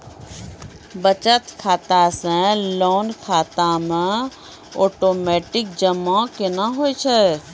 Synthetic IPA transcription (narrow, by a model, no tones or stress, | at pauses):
bət͡ʃət̪kʰaːt̪asẽloːnkʰaːt̪amẽ | ɔːʈoːmeːʈɪk̚d͡ʒəmãkenaɦoːit͡ʃʰe